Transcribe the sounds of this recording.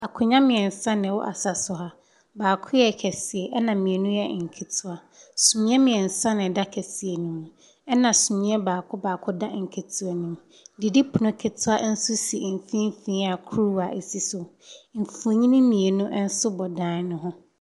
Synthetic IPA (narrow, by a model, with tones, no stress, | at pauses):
a˨kʰʊ˨ɲã˦mɪ̃˨ɛ˨n̩˨sã˦nɪ̃˨wʊ̰˦ʔa̰˨sa˨sʊ˨ɦa˨ | baː˨kʰʊ˦jɛ˨kʰɛ˨sɪ˨ɛ˨ʔɛ˦nã˨mĩ˨e˨nũ˦jɛ˦˨ŋ̩˨kʰe˨tʰʊ˦a˨ | sũ˨mĩ˦ɛ˦mɪ̃˨ɛ˨n̩˨sã˦nɪ̃˨da˦kʰɛ˨si˨e˨nũ˨ | ɛ˦nã˨su˨mĩ˦ɛ˦baː˨kʰʊ˦baː˨kʰʊ˦da˦ŋ̩˨kʰe˨tʰu˦a˨nũ˨m | dɪ˨di˦pʰʊ˨nʊ̃˦kʰe˨tʰʊ˦a˦n̩˦sʊ˦si˨m̩˨fĩ˦m˦fĩ˦a˨kʰu˦ɾu˦a˨ʔe˨si˦sʊ˨ | m̩˨fu˨o˨ɲĩ˦nĩ˦mĩ˨e˨nũ˦ʔɛ˦n̩˦sʊ˦bɔ˨dãː˦n˦nʊ̃˦ɦʊ̃˦